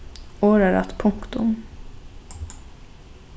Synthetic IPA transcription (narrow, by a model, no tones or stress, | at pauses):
oːɾaɾa̰t̪pʰʊŋkt̪ʊm